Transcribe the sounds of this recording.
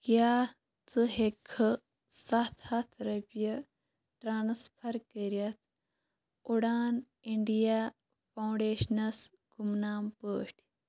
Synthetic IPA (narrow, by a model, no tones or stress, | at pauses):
kjaː | t͡sɨɦekʰːɨ | sɐt̪ʰɐt̪ʰɾɐpjɐ | ʈɾaːnspʰɐɾkəɾjɐt̪ʰ | uɽaːn | iɳɖijaː | pʰɐwɳɖeːʃnɐs | ɡumnaːmpəːʂʈʲ